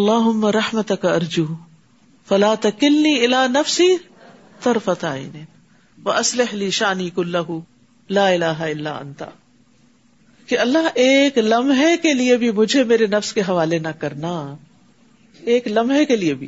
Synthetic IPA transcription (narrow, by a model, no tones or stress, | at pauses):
ɐlːaːɦʊmːɐɾɐħmɐt̪ɐkɐɾd͡ʒuː | fɐlaːt̪ɐkɪlniːʔɪlaːnɐfsiː | t̪ɐɾfɐt̪a̰ːḭneːn | ʋɐʔɐslɪhliːʃaːniːkʊlːɐɦu | laːɪlaːɦaɪlːa̰ːʔɐ̰nt̪a̰ | kiɐlːaɦeːklɐmɦekeliebʱimʊd͡ʒʱemeːɾenɐfskeɦɐʋaːlenɐkɐɾna | eːklɐmɦekeliebʱḭ